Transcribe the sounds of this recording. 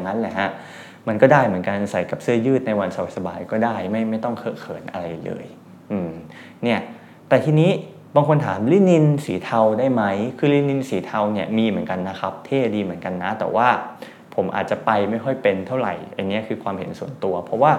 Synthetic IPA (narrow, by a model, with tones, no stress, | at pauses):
a˨ŋːa˦˥nlɛ̰˨˩ha˦˥ | ma˧nkɔː˥˩daː˥˩jmɯ˩˦ənka˧n˧sa˩˦jka˨˩p̚sɯ˥˩ɐjɯː˥˩t̪̚na˧jwa˧nsa˧wa˨˩t̪̚sa˧baː˧jkɔː˥˩daː˥˩jma˥˩jma˥˩jt̪ɔ˥˩ŋkʰɤː˥˩kʰɤ̰ː˩˦nʔa̰˧ɾa˧jlɤ̰ː˧j | ʔɯː˨˩m | ni˥˩ɐ | t̪ɛː˨˩t̪ʰiː˧niː˦˥ | baː˧ŋkʰo˧nt̪ʰaː˩˦mli˥˩ni˧nsiː˩˦t̪ʰa˧wdaː˥˩jma˦˥jkʰɯː˧li˧˥˩ni˧nsiː˩˦t̪ʰa˧wni˥˩ɐmiː˧mɯ˩˦ənka˧nːa˦˥kʰa˦˥p̚t̪ʰeː˥˩diː˧mɯ˩˦ənka˧nːa˦˥t̪ɛ̰ː˨˩waː˥˩ | pʰo˩˦mʔa̰ː˨˩t̪̚t͡ɕa˨˩pa˧jma˥˩jkʰɔ˥˩jpe˧nt̪ʰa˥˩wɾa̰˨˩jʔa̰˧nːi˦˥ɐkʰɯː˧kʰwaː˧mhḛ˨˩˦nsu˨˩ənt̪u˧ɐpʰɾɔ˦˥waː˥˩